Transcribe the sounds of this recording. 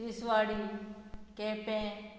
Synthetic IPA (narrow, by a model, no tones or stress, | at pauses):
isʋaːɽi | kepẽː